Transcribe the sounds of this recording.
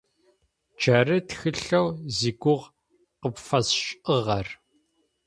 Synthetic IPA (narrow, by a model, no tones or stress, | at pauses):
d͡ʒɐrɨtxɨɬɐwziːɡʷʊʁ | qəpfɐsɕʼʔəʁɐr